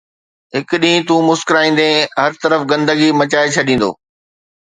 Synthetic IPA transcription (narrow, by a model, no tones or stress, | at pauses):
ɦɪkʊɗĩːt̪ũːmʊskɪɾaːĩːn̆d̪ẽɦɐɾt̪ɐɾəfɡɐ̃nd̪əɡimɐt͡ɕaːet͡ɕʰɐɗĩːn̆d̪o̰ː